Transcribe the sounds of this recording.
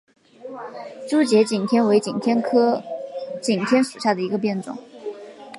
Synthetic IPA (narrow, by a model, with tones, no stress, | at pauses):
ʈ͡ʂu˥t͡ɕjɛ˧˥t͡ɕi˨˩nt̪ʰjɛ˥nwe˧˥ɪt͡ɕi˨˩nt̪ʰjɛ˥nkʰɤ˥ | t͡ɕi˨˩ŋt̪ʰjɛ˥nʂu˨˩ɕja˥˩d̪ə˩i˧˥ɡə˧p̬jɛ˥˩nʈ͡ʂʊ̰˨˩˦ŋ